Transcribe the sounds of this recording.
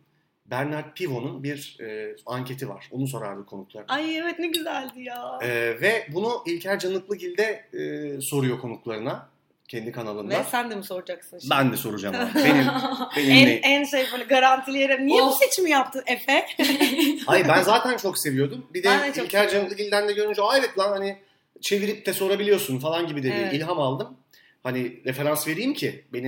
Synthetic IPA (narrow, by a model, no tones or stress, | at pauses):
bæɾnaɾt̪̚pʰivo̞nunbiɾɛːaɲcʰe̞t̪ʰiva̰ɾ̥onus̬o̞ɾa̰ɾd̪ɯkʰo̞nuklˠaɾajevɛt̪nɛɟyzælʲd̪ijaːɛːvɛbunuʔilʲcʰæɾd͡ʒanˠɯklˠɯɟilʲd̪ɛː | so̞ɾujo̞kʰo̞nuklˠaɾɯna | cʰɛnd̪ikʰanalˠɯnd̪asænd̪ɛmiso̞ɾud͡ʒaksɯnbænd̪ɛso̞ɾud͡ʒa̰menimbeniænsejaniɡaɾant̪ʰilʲejeɾimnijebiset͡ʃimijap̚t̪ʰɯefɛ | haibænzaːt̪ʰænt͡ʃʰo̞kse̞vijo̞d̪umbid̪ɛlʲcʰæɾd͡ʒanɯklˠɯɟilʲd̪ænd̪ɛɟøɾynd͡ʒɛajdɛt̪lˠanhanɪ | t͡ʃʰe̞viɾip̚t̪ʰɛso̞ɾabilʲijo̞sunfalˠanɟibid̪ed̪imilʲɦamalˠd̪ɯm | haniɾe̞feɾansve̞ɾijːimcʰibe̞ni